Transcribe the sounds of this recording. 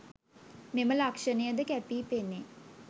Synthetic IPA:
meməlakʂənejəd̪əkæpiːpenːe

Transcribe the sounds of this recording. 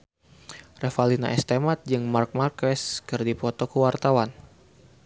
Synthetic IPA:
rɛfalina̰ʔɛst̪ɛmat̪̚d͡ʒɨŋmark̚markɛskɨrdipɔt̪ɔkəwart̪awan

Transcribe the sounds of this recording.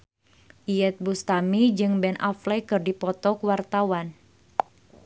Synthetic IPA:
ʔijɛt̪̚bust̪amid͡ʒɨŋbɛnʔa̰flɛkɨrdipɔt̪ɔkuwart̪awan

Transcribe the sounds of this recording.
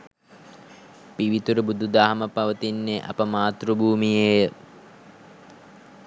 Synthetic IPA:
piʋit̪uɾəbud̪ʱud̪aːɦməpɐʋət̪inːeʔɐ̰pəmaːt̪rubʱuːmijejə

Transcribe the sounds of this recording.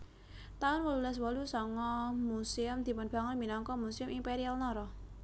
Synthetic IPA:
t̪aʊnwɔlulɛs̬wɔlusɔŋɔmusiʊmd̪̥i̤pənb̥a̤ŋɔminɔŋkɔmusɪʊmʔimpeɾialnɔɾɔ

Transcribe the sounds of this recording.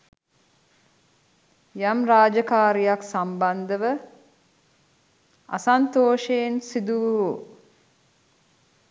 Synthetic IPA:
jamraːd͡ʒəkaːɾijaksamband̪əʋə | a̰sant̪oːʃensid̪uʋɦu

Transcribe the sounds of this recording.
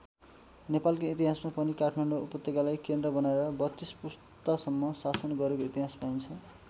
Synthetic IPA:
nepalkoit̪iɦasmapʌnikaʈʰmaɳɖoupʌt̪ːjekalajkend̪rʌbʌnaeɾʌbʌt̪ːispus | t̪asʌmːʌsasʌnɡʌɾekoit̪iɦaspajnt͡sʰʌ

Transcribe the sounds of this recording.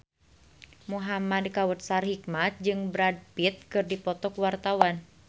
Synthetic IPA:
muɦamadkawut̪̚sarhikmat̪̚d͡ʒɨŋbɾad̚pit̪̚kɨrdipɔt̪ɔkwart̪awan

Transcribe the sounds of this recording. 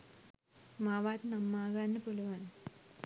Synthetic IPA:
maːʋaːt̪nɐmːaːɣaːnːɨpoluʋaːn

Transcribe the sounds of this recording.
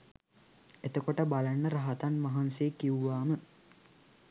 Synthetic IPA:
et̪əkoʈəbalanːəɾaɦat̪anʋaɦanseːkiuʋaːmə

